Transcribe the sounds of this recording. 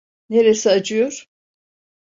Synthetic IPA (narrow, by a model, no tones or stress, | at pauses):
neɾɛsɛad͡ʒɯjoɾ̥